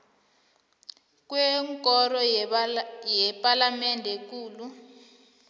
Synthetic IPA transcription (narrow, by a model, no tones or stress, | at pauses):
kwɛŋkʼɔrɔ | jɛpʼalamɛndʱɛk̬uːlu